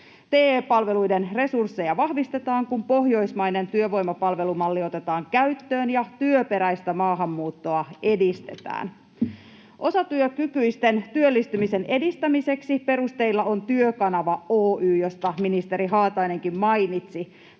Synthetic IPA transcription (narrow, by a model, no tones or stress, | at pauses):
t̪eːpɑlʋe̞lujde̞nre̞sursːe̞jɑʋɑhʋist̪e̞t̪ɑːŋkumpo̞ɦjo̞ismɑjne̞nt̪yøʋo̞jmɑpɑlʋe̞lumɑlːio̞t̪e̞t̪ɑːŋkæyt̪ːøːnjɑt̪yøpe̞ɾæjst̪æmɑːɦɑmːuːt̪ːo̞ɑe̞dist̪ḛt̪æ̰ːn | ʔo̞sɑt̪yøkykyjst̪e̞nt̪yølːist̪ymise̞ne̞dist̪æmise̞ksipe̞ɾust̪e̞ilːɑo̞nt̪yøkɑnɑʋɑoːʔyːjo̞st̪ɑminist̪e̞ɾiɦɑːt̪ɑjne̞ŋkimmɑjnit̪si